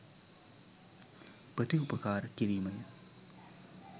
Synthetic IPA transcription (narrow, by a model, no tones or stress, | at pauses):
pɐt̪iupɐkaːɾkiɾiːmɐn